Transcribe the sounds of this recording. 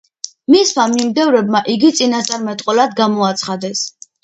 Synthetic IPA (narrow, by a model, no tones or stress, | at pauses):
mismamimd̪ɛvɾɛbmaʔiɡit̪sʼinast̪sʼaɾmɛt̪ʼqʼɔlad̪ɡamɔat̪sʰχad̪ɛs